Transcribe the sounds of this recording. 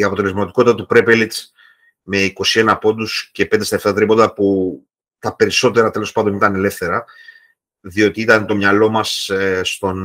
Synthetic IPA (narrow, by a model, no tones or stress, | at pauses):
iɐpo̞t̪ele̞zmɐt̪iko̞t̪it̪ɐt̪upɾe̞pelit̪s | me̞iko̞sie̞nɐpo̞nd̪usce̞pend̪est̪ɐeft̪ɐt̪ɾipo̞nd̪ɐpu | t̪ɐpe̞ɾiso̞t̪e̞ɾɐt̪e̞lo̞spɐnd̪o̞nit̪ɐne̞le̞fθe̞ɾɐ | ðio̞t̪iit̪ɐnt̪o̞mɲɐlo̞mɐsst̪o̞n